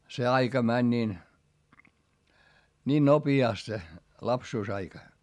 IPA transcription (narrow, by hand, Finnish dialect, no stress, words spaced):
se ɑikɑ mænʲ niːn nʲiːn nopiɑˑst se lɑpsuːsɑikɑ